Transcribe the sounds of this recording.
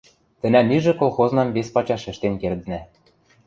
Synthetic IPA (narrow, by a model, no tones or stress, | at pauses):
t̪ɘ̆næmiʒĕkolˠxoznɑmβespɑt͡ɕɑʃɘ̆ʃt̪enkerd̪ɘ̆næ